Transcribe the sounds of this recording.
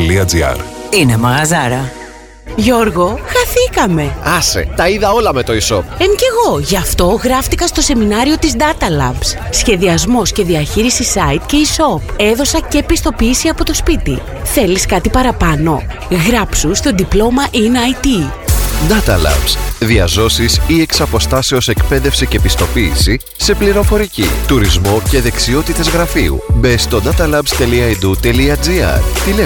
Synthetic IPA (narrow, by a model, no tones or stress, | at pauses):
liɐd͡ziɐ̰ɾinemɐɣɐzɐɾɐ | ʝo̞ɾɣo̞xɐθikɐme̞ɐsḛt̪ɐiðɐo̞lɐmet̪o̞iso̰p̚emce̞ɣo̞ʝɐft̪o̞ɣɾɐft̪ikɐst̪o̞se̞minɐɾio̞t̪izd̪ɐt̪ɐlɐ̰mbssçe̞ðiɐzmo̞sce̞ðiɐçiɾisisɐit̪̚ce̞iso̞pe̞ðo̞sɐce̞pist̪o̞piisiɐpo̞t̪o̞spit̪ḭ | θe̞liskɐt̪ipɐɾɐpɐno̞ | ɣɾɐpsust̪o̞d̪iplo̞mɐʔinɐjt̪i | d̪ɐt̪ɐlɐ̰bsðiɐzo̞sisie̞ksɐpo̞st̪ɐse̞o̞se̞kpe̞ðe̞fsice̞pist̪o̞piːsi | se̞pliɾo̞fo̞ɾicḭt̪uɾizmo̞ce̞ðe̞ksio̞t̪it̪e̞zɣɾɐfḭṵbest̪o̞d̪ɐt̪ɐlɐbst̪e̞liɐid̪ut̪e̞liɐd͡ziɐ̰ɾt̪ile